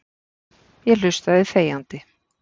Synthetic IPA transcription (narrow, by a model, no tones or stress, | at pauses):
jɛl̥ʏst̪aɪðθeːjant̪ɪ